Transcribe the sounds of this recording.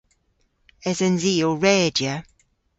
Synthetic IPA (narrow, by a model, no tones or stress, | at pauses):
ɛzənziːlˠɹɛːd͡ʒjə